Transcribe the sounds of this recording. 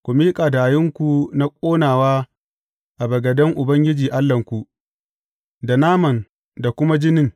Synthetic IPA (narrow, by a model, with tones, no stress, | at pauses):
kʷu˨miː˦kʼaː˨daː˨jɪ˦ŋkʷu˨na˦kʷʼoː˦naː˨waː˦ | ʔa˨bɐ˨ɡɐ˨dɐ˦ŋʔʊ˨bɐ˦ŋɡʲɪ˦d͡ʒiː˨ʔa˦lːɐ˨ŋkʷu˨ʔ | da˨naː˦mɐ˨n | da˨kʷʊ˦ma˦d͡ʒɪ˦nɪ˦ŋ